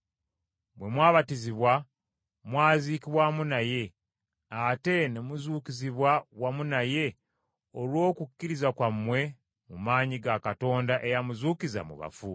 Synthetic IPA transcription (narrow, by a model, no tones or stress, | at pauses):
bwe̞mwaːβatiziβwa | mwaːziːkiβwamunaje̞ | ate̞nemuzuːkiziβwawamunaje̞ | olwo̞ːkukːiɾizakwamːwe̞ | mumaːɲiɡakato̞ːndaʔe̞jamuzuːkiza̰mṵβa̰fu